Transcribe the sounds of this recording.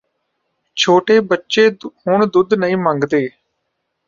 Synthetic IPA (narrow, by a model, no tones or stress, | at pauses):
t͡ʃʰoːʈeːbətːʃeːhʊɳd̪ʊd̪nəĩːmə̃ŋɡd̪eː